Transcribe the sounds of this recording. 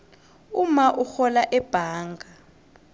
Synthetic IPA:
umaʔuxɔlaʔɛb̥ʱaːŋɡʱa

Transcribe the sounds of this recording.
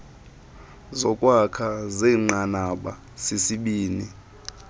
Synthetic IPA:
zɔkʼwakʰazɛːŋ͡ǃanaɓa | sesiɓiːni

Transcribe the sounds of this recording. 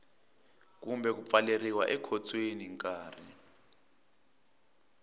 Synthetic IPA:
k̬umbʱɛk̬up̪faleriwaʔɛkʰɔt͡sʰʼweniŋkʼaːri

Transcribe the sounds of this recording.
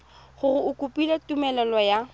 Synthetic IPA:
χʊrɪʊkʼʊpʼilatʼumɛlɛlɔja

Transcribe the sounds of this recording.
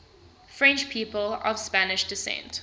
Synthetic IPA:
fɹɛ̃nt͡ʃpʰiːpəlɔ̰v̥spænɪʃd̥ɪsɛ̰̃nt

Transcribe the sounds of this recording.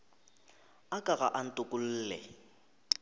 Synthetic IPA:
akʼaɣa̰ʔan̩tʼʊkʼʊl̩ːlɛ̰

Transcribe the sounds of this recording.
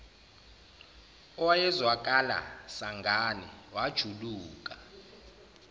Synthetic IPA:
ɔwajɛzwakʼala̰saŋɡʱanɛ̰wad̥ʒ̥ʱuluːkʼa

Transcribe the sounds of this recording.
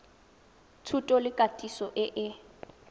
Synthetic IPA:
tʰutʼɔlɪkʼatʼisɔʔɪʔɪ

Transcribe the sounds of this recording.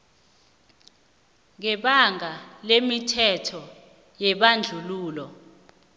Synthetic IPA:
ŋɛɓaŋalemitʰɛtʰɔ | jɛɓand͡ɮʱuluːlɔ

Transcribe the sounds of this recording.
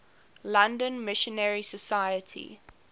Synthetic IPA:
lãndə̃nmɪʃə̃nɛɹisəsajətʰḭ

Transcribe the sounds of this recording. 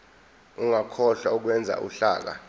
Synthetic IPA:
uŋakʰɔɬauk̬wɛnd͡zʱa̰ʔṵɬa̰ːk̬a̰

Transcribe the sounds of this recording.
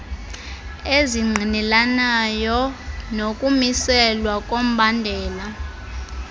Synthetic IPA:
eziŋ͡ǀʱinɛlanajɔnokʼumisɛlwakʼom̩bʱandʱɛːla

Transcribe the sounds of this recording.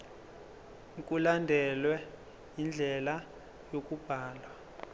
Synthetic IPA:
k̬ʼulandʱɛlwɛ | jind͡ɮʱɛla | jok̬ʼub̥ʱaːlwa

